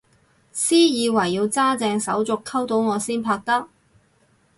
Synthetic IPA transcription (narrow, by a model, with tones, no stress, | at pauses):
siː˥jiː˨˧wɐ˨˩jːiː˧wt͡saː˥t͡sɛː˧ŋsɐ˨˥wt͡sʊ˨kʰːɐ˥wt̪o˨˥wŋɔː˨˧siː˥npʰaː˧k̚t̪ɐ˥k̚